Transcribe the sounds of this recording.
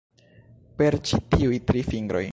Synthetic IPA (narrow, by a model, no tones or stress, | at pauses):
pe̞ɾt͡ʃitiujtɾifiŋɡɾo̞̰j